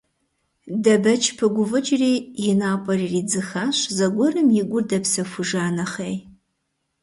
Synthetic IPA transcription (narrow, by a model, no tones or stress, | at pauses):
dɐbɐt͡ʃʰpʰɨɡʷʊvɨt͡ʃʼriːjɪnaːpʼɐririːd͡zɨxaːɕzɐɡʷɔrɨmjɪɡʷʊrdɐpsɐfʷʊʒaːnɐχej